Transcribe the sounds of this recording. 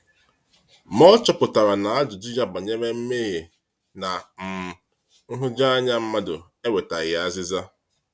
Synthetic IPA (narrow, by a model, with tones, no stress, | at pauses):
mɔ˦t͡ʃɔ˨pʊ˨ta˨ɾa˨na˨a˦d͡ʒʊ˨di˦d͡ʒa˦ba˨ɲe˦me˦m̩˦me˦ɦe˨ | na˨m̩˨ | ŋ̩˦ɦʊ˦d͡ʒa˦a˦ɲa˦m̩˦ma˦dʊ˨ | e˦we˨ta˨ɣɪ˨a˦zɪ˦za˦